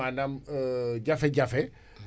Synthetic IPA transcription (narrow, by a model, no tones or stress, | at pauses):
anamd͡ʒafɛd͡ʒafɛ